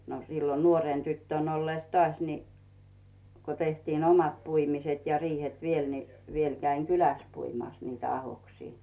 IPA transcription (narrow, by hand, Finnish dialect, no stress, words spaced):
no silːo nuoreˑn tytːøˑn olːeˑs tŏɑˑsʲ ni ko tehtiːn omɑt puimiset jɑ riːhet ʋiel ni ʋiel kæiŋ kylæˑs puimɑˑs niːtæ ɑhoksiː